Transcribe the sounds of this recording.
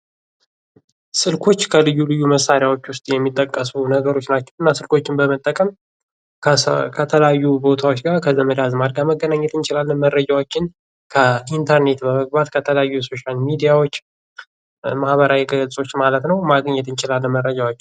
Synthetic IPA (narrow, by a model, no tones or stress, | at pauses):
sɨlkʰo̞t͡ʃːkʰəlɨjːulɨjːuməsaɾijawot͡ʃːwʊst̪ʼjɛmːit̪ʼːəkʼːəsunəɡəɾo̞t͡ʃːnat͡ʃːɛwɨnːasɨlko̞t͡ʃːɪnbəmət̪ʼːəkʼəm | kʰət̪ʰələjajːubo̞t̪ʰawo̞t͡ʃːɡaɾkʰəzəməd̪azmaɾɡaməɡːənaɲːɛt̪ɨnt͡ʃɪlalːənməɾːəd͡ʒawot͡ʃːɪn | kʰəint̪ʰəɾne̞t̪bəməɡ̚bat̪kʰət̪ʰələjajːuso̞ʃalmid̪ijawot͡ʃː | mahβəɾawiɡəlsʼo̞t͡ʃːmalət̪nəwmaɡɲːɛt̪ɨnt͡ʃɪlalːənməɾːəd͡ʒawot͡ʃːɪ